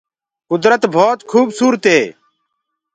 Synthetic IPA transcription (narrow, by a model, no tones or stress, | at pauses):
kʊd̪ɾət̪bʱoːt̪kʰuːbsuːɾət̪ɦeː